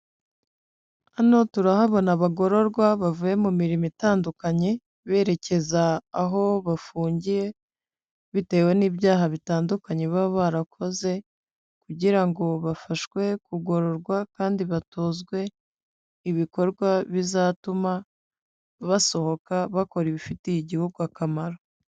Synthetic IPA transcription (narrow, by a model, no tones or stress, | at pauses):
ano̞tuɾahaβo̞naβaɡo̞ɾo̞ɾɡwaβavuje̞mumiɾimitaːndukaɲe̞ | βe̞ːɾe̞ce̞zaːɦo̞βafuːɲɟije̞ | βite̞ːwe̞niːbjaːɦaβitaːndukaɲe̞βaβoβaɾakʰo̞ze̞ | kuɟiɾaŋɡo̞βafaʃwe̞kuɡo̞ɾo̞ɾɡwakaːndiβatoːzɡwe̞ | iβiko̞ɾɡwaβizaːtuma | βaso̞ho̞kaβako̞ɾiβifitijiɟihuɡuakamaɾo